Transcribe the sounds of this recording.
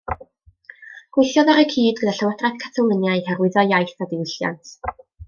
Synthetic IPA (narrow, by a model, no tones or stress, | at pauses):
ɡ̥wejθjɔðaɾəkʰiːdɡədaɬəwadrajθkʰḁtʰawlˠɪnjaihɛrwɪðɔjajθadɪwɪɬja̰ntʰ